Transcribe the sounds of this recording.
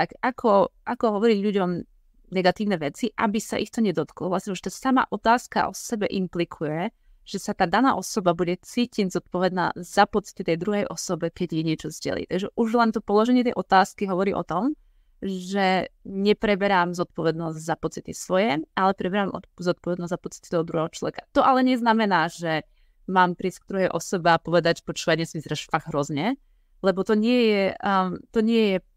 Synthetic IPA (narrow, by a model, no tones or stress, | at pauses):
t̪akakʰɔʔakɔɦɔʋɔɾiɟʎuɟɔm | nɛɡat̪iːʊnɛʋɛt͡siʔa̰bisa̰ʔixt̪ɔɲɛd̪ɔt̪klɔʋlasɲɛʒɛt̪asama̰ʔɔt̪aːska̰ʔɔ̰sɛbɛʔimplikʰujɛ | ʒ̥ɛsat̪aːd̪ana̰ːʔɔsɔbabuɟɛt͡siːciɲzɔt̪̚pɔʋɛd̪na̰ːzapɔt͡si̥t̪it̪ɛjd̪ɾuɦɛjʔɔsɔbɛkɛɟjɛɲɪɛt͡ʃɔzɟɛ̰lḭːt̪aɡʒɛʔuʒlɛnt̪ɔpɔlɔʒɛɲɪɛt̪ɛjʔɔt̪aːskiɦɔʋɔɾiːʔɔ̰t̪ɔm | ʒɛɲɛpɾɛbɛɾaːmzɔt̪̚pɔʋɛd̪nɔzɟzapɔt͡sit̪isʋɔjɛalɛpɾɛbɛɾamɔzɔt̪̚pɔʋɛd̪nɔzzapɔt͡si̥t̪it̪ɔɦɔd̪ɾuɦɛɦɔt͡ʃlɔʋɛkḁt̪ɔʔalɛɲɛznamɛnaːʒ̥ɛ | maːmpɾiːsɡ̚d̪ɾuɦɛjʔɔsɔbɛapɔʋɛd̪aɟpɔt͡ʃuʋɛɲɛsmizɾɛʃfaɣɦɾɔzɲɛ | lɛbɔt̪ɔɲɪɛjɛt̪ɔɲɪɛjɛ